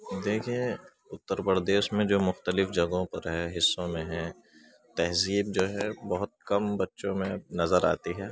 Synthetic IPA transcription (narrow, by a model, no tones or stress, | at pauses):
d̪eːkʰie | ʊt̪ːəɾpəɾd̪eːʃmẽd͡ʒoːmʊxt̪əlɪfd͡ʒɐɡõpɐɾɦɛːɦɪsːõmẽɦɛ̃ | t̪ɛɦziːb̚d͡ʒoːɦɛbɐɦʊt̪̚kɐmbɐtːʃõmẽnɐzəɾa̰ːt̪iɦɛː